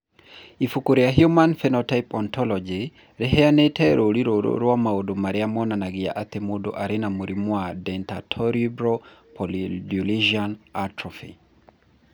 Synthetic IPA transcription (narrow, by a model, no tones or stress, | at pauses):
ifukuɾiaɦjumanfɛnɔtaipɔntɔlɔd͡ʒi | ɾɛɦɛanɛtʰɛɾoliɾo̰ɾwamaodomaɾiamɔnanaɡija̰ʔat̪emodo̰ʔaɾenamuɾimwadɛntatʰɔɾibɾɔpʰɔlduliʒianatɾɔfḭ